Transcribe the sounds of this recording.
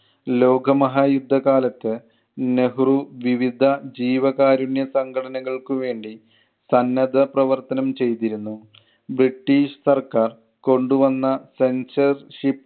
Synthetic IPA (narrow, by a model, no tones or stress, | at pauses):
lo̞ːɡɐmɐɦaːjud̪ʱːɐɣaːlɐt̪ːɨ | ne̞ɦruʋiʋid̪ʱɐd͡ʑiːʋɐɣaːɾuɳjɐsɐŋɡʱɐʈɐnɐɣɐɭkuʋe̞ːɳɖi | sɐnːɐd̪ɐprɐʋɐrt̪ɐnɐmt͡ɕe̞jt̪iɾunːu | briʈːiːʂsɐrkaːr | ko̞ɳɖuʋɐnːɐse̞nsɐrʂip